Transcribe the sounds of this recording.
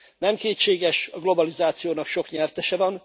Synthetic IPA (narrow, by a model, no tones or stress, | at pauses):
nɛmkeːtʃeːɡɛʃɒɡlo̞bɒlizaːt̪sijoːnɒkʃo̞kɲɛrt̪ɛʃɛvɒn